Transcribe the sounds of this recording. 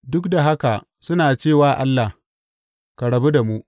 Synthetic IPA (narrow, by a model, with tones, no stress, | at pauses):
dʊ˦kda˨ɦa˦ka˨ | sʊ˦naː˨t͡ʃeː˦˨waː˦ʔa˦lːa˨h | ka˨ɽɐ˨bu˦da˨mu˦ʔ